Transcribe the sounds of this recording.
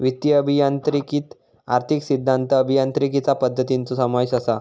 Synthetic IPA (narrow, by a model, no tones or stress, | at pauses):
ʋit̪jəːbʱijant̪ɾikiːt̪ | aɾt̪ʰiksid̪ʱːant̪əːbʱijant̪ɾikit͡sapəd̪ʱːət̪int͡sosəmajsasa